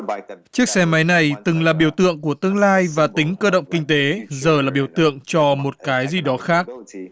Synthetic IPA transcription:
t͡ɕɨ˦˥ək̚sɛ˧ma˨˦jna˨˩jt̪ɨ˨˩ŋlaː˨˩ɓi˧˩əwt̪ɨ̰˧˨əŋku˧˩ət̪ɨ˧əŋlaː˧jvaː˨˩t̪ï˨˦ŋ̟kəː˧ɗə̰˧˨wŋ͡mkï˧ŋ̟t̪e˨˦zəː˨˩laː˨˩ɓi˧˩əwt̪ɨ̰˧˨əŋt͡ɕɔ˧mo˨˩t̚kaː˨˦jzi˨˩ɗɔ˨˦xaː˦˥k̚

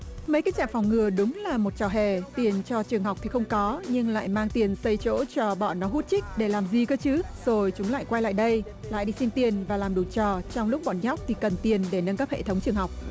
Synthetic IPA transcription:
mə˨˦jkaː˨˦˥k̚t͡ɕa̰ː˧˨fɔ˨˩wŋ͡mŋɨ˨˩əɗʊ˨˦ŋ͡mlaː˨˩mo˨˩t̚t͡ɕɔ˨˩ɦe˨˩t̪i˨˩ənt͡ɕɔ˧t͡ɕɨ˨˩əŋɦa˨˩wk͡p̚t̪ʰi˨˩xə˧wŋ͡mkɔ˨˦ɲɨ˧ŋla̰ː˧˨jmaː˧ŋt̪i˨˩ənsə˧jt͡ɕo̰˧˥t͡ɕɔ˧ɓɔ̰˧˨˩nɔ˨˦ɦu˦˥t̚t͡ɕï˦˥k̟̚ɗe˧˩laː˨˩mzi˨˩kɔ˨˦t͡ɕɨ˨˦zo˨˩jt͡ɕʊ˨˦ŋ͡mla̰ː˧˨jkwa˧jla̰ː˧˨jɗə˧j | la̰ː˧˨jɗi˧si˧nt̪i˨˩ənvaː˨˩laː˨˩mɗu˨˩t͡ɕɔ˨˩t͡ɕwŋ͡mlʊ˦˥k͡p̚ɓɔ̰˧˨nɲ˦˥k͡p̚t̪ʰi˨˩kə˨˩nt̪i˨˩ənɗe˧˩nə˧nkaː˦˥p̚hḛ˧˨˩t̪ʰə˨˦wŋ͡mt͡ɕɨ˨əŋɦa˨˩wk͡p̚

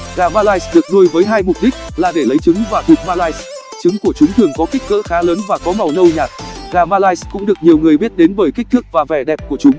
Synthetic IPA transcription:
ɣaː˨˩maː˧laː˧jsɗɨ˨˩ək̚nu˧əjvəː˨˦jɦaː˧jmʊ˨˩k͡p̚ɗï˦˥k̚laː˨˩ɗe˧˩lə˨˦jt͡ɕɨ˨˦ŋvaː˨˩t̪ʰu˨˩k̚maː˧laː˧js | t͡ɕɨ˨˦ŋku˧˩ət͡ɕʊ˨˦ŋ͡mt̪ʰɨ˨˩əŋkɔ˨˦ki˦˥k̟̚kə̰ː˧˥xaː˨˦ləː˨˦nvaː˨˩kɔ˨˦ma˨˩wnə˧wɲaː˨˩t̚ɣaː˨˩maː˧laː˧jskʊ̰˧˥ŋ͡mɗɨ˨˩ək̚ɲi˨˩əwŋɨ˨˩əjɓi˦˥ət̚ɗe˨˦nɓəː˧˩jki˦˥k̟̚t̪ʰɨ˦˥k̚vaː˨˩vɛ˧˩ɗɛ˨˩p̚ku˧˩ət͡ɕʊ˨˦ŋ͡m

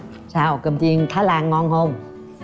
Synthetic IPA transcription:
saː˧wkə˨˩mt̪i˧ənt̪ʰaː˦˥laː˧˩ŋːɔ˧nhə˧wŋ͡m

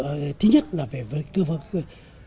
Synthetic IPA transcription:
t̪ʰɨ˨˦ɲə˦˥t̚laː˨˩ve˨˩və˨˩t̪ɨ˧və˨˩t̚

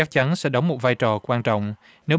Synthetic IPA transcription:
a˦˥k̚t͡ɕa˨˦nsɛ̰˧˥ɗə˨˦wŋ͡mmo˨˩t̚vaː˧jt͡ɕɔ˨˩kwaː˧nt͡ɕɔ̰˧˨wŋ͡m | ne˨˦

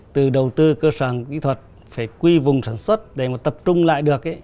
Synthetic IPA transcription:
t̪ɨ˨˩ɗə˨˩wt̪ɨ˧kəː˧səː˧˩ŋkḭ˧˥t̪ʰwə˨˩t̚ | faː˧˩jkwi˧vʊ˨˩ŋ͡msaː˧˩nswə˦˥t̚ɗe˧˩maː˨˩t̪ə˨˩p̚t͡ɕʊ˧ŋ͡mla̰ː˧˨jɗɨ˨˩ək̚ʔe˧˦

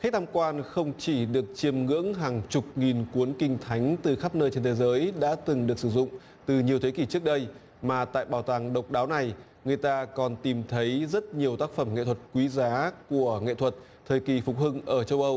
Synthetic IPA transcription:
xa˦˥k̚t̪ʰaː˧mkwaː˧nxə˧wŋ͡mt͡ɕi˧˩ɗɨ˨˩ək̚t͡ɕi˧əmŋɨ̰˧˥əŋɦaː˨˩ŋt͡ɕʊ˨˩k͡p̚ŋi˨˩nku˨˦ənkï˧ŋ̟t̪ʰa˨˦jŋ̟t̪ɨ˨˩xaː˦˥p̚nəː˧jt͡ɕe˧nt̪ʰe˨˦zəː˨˦jɗa̰ː˧˥t̪ɨ˨˩ŋɗɨ˨˩ək̚sɨ˧˩zʊ̰˧˨ŋ͡m | t̪ɨ˨˩ɲi˨əwt̪ʰe˨˦ki˧˩t͡ɕɨ˦˥ək̚ɗə˧j | maː˨˩t̪a̰ː˧˨jɓaː˨˧˩wt̪aː˨˧˩ŋɗə˨˩wk͡p̚ɗaː˨˦wna˨˩j | ŋɨ˨˩əjt̪aː˧kɔ˨˩nt̪i˨˩mt̪ʰə˨˦jzə˦˥t̚ɲi˨˩əwt̪aː˦˥k̚fə˧˩mŋḛ˧˨t̪ʰə˨˩t̚kwi˨˦zaː˨˦ku˧˩əŋḛ˧˨t̪ʰwə˨˩t̚ | t̪ʰəː˨˩jki˨˩fʊ˨˩k͡p̚hɨ˧ŋʔəː˧˩t͡ɕə˧wʔə˧w

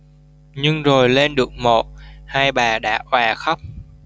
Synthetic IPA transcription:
ɲɨ˧ŋzo˨˩jle˧nɗɨ˨˩ək̚mo̰˨˩t̚haː˧jɓaː˨˩ɗa̰ː˧˥ʔwaː˨˩xə˦˥k͡p̚

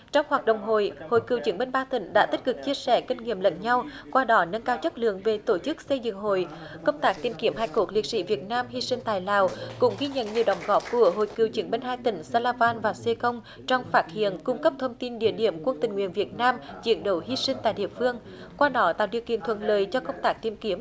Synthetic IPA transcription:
t͡ɕɔ˧wŋ͡mhwaː˨˩k̚ɗə̰˧˨wŋ͡mɦo̰˧˨jho̰˧˨jkɨ˨˩əwt͡ɕɨ˨˦ŋɓe˧nɓaː˧t̪ï˧˩ŋ̟ɗa̰ː˧˥t̪i˦˥t̚kɨ˨˩k̚t͡ɕi˧əsɛ˧˩kï˧ŋ̟ŋḭ˧˨əmlə̰˧˨nɲa˧w | kwaː˧ɗɔ˨˦nə˧nkaː˧wt͡ɕə˦˥t̚lɨ̰˧˨əŋve˨˩t̪o˧˩t͡ɕɨ˦˥k̚sə˧jzɨ̰˧˨ŋɦo̰˧˨j | kə˧wŋ͡mt̪aː˦˥k̚t̪i˨˩mki˨˧˩əmhaː˧jko˧˦˩k̚li˨˩k̚sḭ˧˥vi˨˩ət̚naː˧mhi˧sï˧ŋ̟t̪aː˧˨jlaː˨˩wkʊ̰˧˥ŋ͡mɣi˧ɲə̰˧˨nɲi˨˩əwɗə˨˩wŋ͡mɣɔ˦˥p̚ku˧˩əɦo̰˧˨jkɨ˨˩əwt͡ɕiɨ˨˦ŋɓe˧nɦaː˧jt̪ï˧˩ŋ̟saː˧laː˧vaː˧nvaː˨˩se˧xə˧wŋ͡m | t͡ɕɔ˧wŋ͡mfaː˦˥t̚hḭ˧˨ənkʊ˧ŋ͡mkə˦˥p̚t̪ʰə˧wŋ͡mt̪i˧nɗḭ˧˨əɗḭ˧˩əmkwə˧nt̪ï˨˩ŋ̟ŋwḭ˧˨ənvi˨˩ət̚naː˧mt͡ɕḭ˧˩ənɗo˨˦wɦi˧sï˧ŋ̟t̪a̰ː˧˨jɗḭ˧˨əfɨ˧əŋ | kwaː˧ɗɔ˨˦t̪a̰ː˧˨wɗḭ˧˩əwkḭ˧˨ənt̪ʰwə̰˧˨nləː˨jt͡ɕɔ˧kə˧wŋ͡mt̪aː˦˥k̚t̪i˧˩əmki˨˦əm

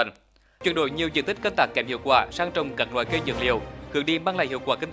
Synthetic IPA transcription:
t͡ɕwi˨˧˩nɗo̰˧˨jɲi˨˩əwzɨ̰˧˨nt̪ï˦˥k̟kə˧nt̪aː˦˥kːɛ˨˩mhḭ˧˨əwkwaː˧˩saː˧ŋt͡ɕə˧˩wŋ͡mka˧˩ŋ̚lwa̰ː˧˨jkə˧jzə̰˧˩ŋlḭ˧˩əwxɨ˨˦əŋɗi˧˩maː˧ŋla̰ː˧˨jhḭ˧˨əwkwaː˧˩kï˧ŋ

